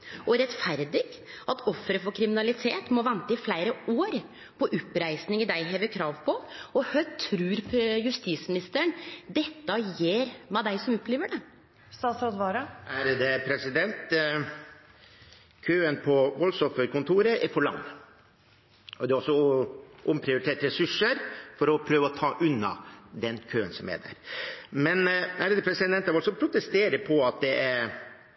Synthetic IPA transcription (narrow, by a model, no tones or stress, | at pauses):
ɔɾɛt̪fæɾd̪ɪɡ | ɑt̪ʰɔfːɾəfɔɾkʰɾɪmɪnɑlɪt̪ʰeːt̪mɔʋɛnt̪əɪflæɪɾəoːɾ | pʰɔʔʉpːɾæɪsnɪŋəd̪æɪɦeːʋəkʰɾɑːʋpʰɔɔhœt̪ʰɾʉːɾpjʉst̪iːsmɪnɪst̪əəɳd̪ɛt̪ːɑjeːɾmɛd̪æɪsɔmɔpːleːʋəɖɛ | sɑsɾɔd̪ʋɑɾɑʔæɾd̪ɛpʰɾɛsɪd̪ɛnt̪ | kʰøːənpʰɔʋɔlsɔfəɾkʊnt̪ʰuːɾəʔɛɾfɔɭɑ̰ŋː | ɔd̪ɛːɔsːɔʔʊmpʰɾɪʊɾɪt̪ʰeːʈ̪ɾɛsʉʂəɾfɔɾɔpʰɾøːʋəɔt̪ʰɑːʔʉnːɑ̰d̪ɛnkʰøːənsɔmɛ̰d̪æ̰ɾmɛnæɾəd̪ɛpʰɾɛsɪd̪ɛnt̪ːɑːʋɔlsɔpʰɾʊt̪ɛst̪eːɾəpʰɔɑt̪̚d̪ɛʔæɾ